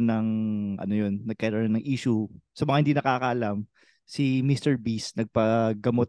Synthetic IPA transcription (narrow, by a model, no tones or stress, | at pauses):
nɐŋʔɐ̰no̞jo̞nːɐɡ̚kɐɪlannɐŋʔiːʃʊsɐmɐŋahɪnd̪inɐkaːkɐʔɐlam | sɪmist̪ɛɹbisnɐɡ̚pɐɡɐmot̪̚